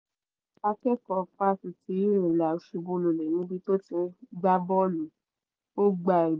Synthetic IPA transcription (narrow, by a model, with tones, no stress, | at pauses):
a˧kɛ˦kɔ˨fa˦sĩ˨ti˧˦ɾĩ˨la˨o˦ʃu˧bõ˧˦lu˧˨lɛ˨nĩ˦bi˧to˦tĩ˧˦ɡ͡ba˦bɔ˦lũ˨ | o˦ɡ͡ba˧˨i˨